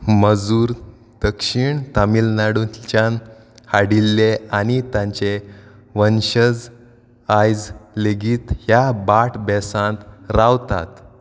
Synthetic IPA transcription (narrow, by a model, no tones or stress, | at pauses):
məd͡zuːɾ | d̪̥əkɕiɳt̪amilnaɽut͡ɕan | haɽilːeanit̪ãɲt͡ɕe | ʋənɕəd͡z | ajd͡zleɡiːt̪hjabaʈʰbɛsãnt̪ɾaʋt̪a̰t̪